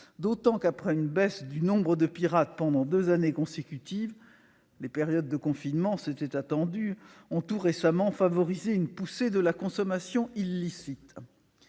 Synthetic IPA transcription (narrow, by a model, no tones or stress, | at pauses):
d̪ot̪ɑ̃kapχɛynbɛsd̪ynɔ̃bʁəd̪əpiʁat̪̚pɑ̃d̪ɑ̃d̪øzanekɔ̃sekʲyt̪iv | lepeʁjɔd̪ːəkɔ̃finmɑ̃set̪ɛt̪at̪ɑ̃d̪yɔ̃t̪uʁesamɑ̃favɔʁizeynpused̪əlakɔ̃sɔmasjɔ̃ilːisit̪